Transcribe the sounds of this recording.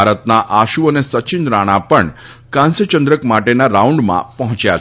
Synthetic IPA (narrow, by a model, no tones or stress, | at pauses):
aɾət̪naʔaɕuənesət͡ɕinɾaɽ̃apəɳkãnsət͡ɕənd̪ɾəkmaʈenaɾauɳɖma̰pəɦũt͡ɕja